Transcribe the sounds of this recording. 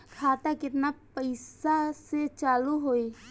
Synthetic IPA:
kʰaːt̪akɪt̪napəɪsaset͡ʃaːluɦoi

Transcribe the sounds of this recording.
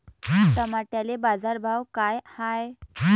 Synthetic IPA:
t̪əmaʈjalebad͡zaɾbʱawkajhaj

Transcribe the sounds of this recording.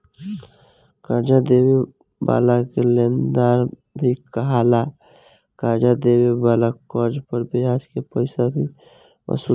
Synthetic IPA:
kəɾd͡ʒad̪ewi | ba̰lakelend̪aɾ | bʱikəɦala | kəɾd͡ʒad̪ewibaːlakəɾd͡ʒpəɾbʱiaːd͡ʒkepəɪsabʱi | ə̰su

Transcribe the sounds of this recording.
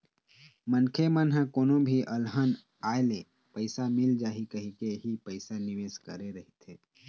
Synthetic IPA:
mənkʰemənɦə̃koːnõbʱiʔəlɦən | aːele | pəɪsamɪld͡ʒaːɦikəɦikeɦipəɪsanɪʋeːskəɾeɾəɦet̪ʰeː

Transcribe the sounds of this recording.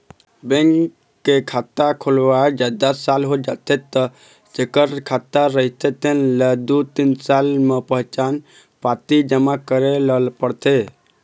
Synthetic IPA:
bẽŋkː | ekʰat̪ːakʰolwad͡ʒəd̪əsːalɦod͡ʒat̪ʰet̪ːə | d͡ʒekəɾkʰat̪ːaɾəɦit̪ʰet̪enləd̪ut̪insalmepəɦt͡ʃan | pat̪id͡ʒəmakəɾeləlpəɾt̪ʰe

